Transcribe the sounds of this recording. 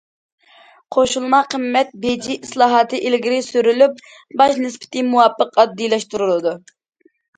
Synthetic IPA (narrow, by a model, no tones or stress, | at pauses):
qʰoʃulˠmɑqəmːɛt̪̚bed͡ʒiʔislˠɑːɦɑt̪ʰɨʔilɡʲiɾɪsyɾylyp̚ | bɑʃnɨspɪ̥t̪ʰɪmuwɑpʰːəqɑd̪ːilɛʃt̪uɾulˠɨd̪u